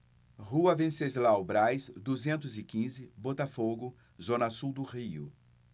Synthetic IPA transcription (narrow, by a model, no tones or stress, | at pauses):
ʁuɐvẽsezlawbɾajsd̪uzẽnt̪ʊzɪkĩzɪbot̪afoɡʊ | zõnɐsuwd̪ʊʁiʊ